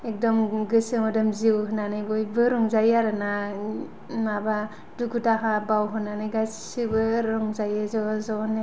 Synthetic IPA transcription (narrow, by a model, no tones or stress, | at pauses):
ek̚dɔmɡɯsɯmɔdɔmziwɦɯnanɯjbɔjbɯɾɔŋzajaɾɯna | maba | duɡudaɦabawɦɯnanɯjɡassɯbɯɾɔŋzajɯzɔzɔne